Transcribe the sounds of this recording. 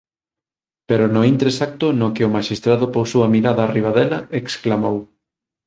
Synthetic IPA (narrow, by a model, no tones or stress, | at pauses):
peɾʊnoint̪ɾesak̚t̪ʊnokɪʊmaʃist̪ɾaðʊpowsowɐmiɾaðɐːriβ̞aðɛlɐeksklamow